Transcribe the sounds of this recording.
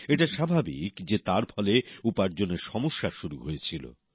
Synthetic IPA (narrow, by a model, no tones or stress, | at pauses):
eʈaʃabʱabḭkd͡ʑet̪aɾfʰɔleupaɾd͡ʑonːeɾʃɔmoʃːaʃuɾuɦojet͡ɕʰilo̰